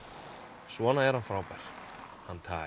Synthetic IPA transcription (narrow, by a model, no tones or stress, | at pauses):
svɔnaɛɾ̥hanfɾawpɛɾ̥ | hant̪ʰa̰ː